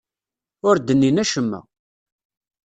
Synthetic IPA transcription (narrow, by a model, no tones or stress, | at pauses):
ʊɾd̪ənːinæʃəmːæ̰